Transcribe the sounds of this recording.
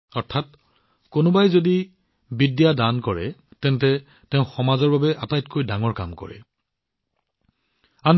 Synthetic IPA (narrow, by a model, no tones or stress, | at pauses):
ɔɹtʰat̚ | konʊbajzodi | bidjadankɔɹɛ̰tɛnt̬ɛ | tɛʊ̃xɔmazɔɹbabɛʔatajtkojdaŋɔɹka̰mkɔ̰ɹɛ̰ | an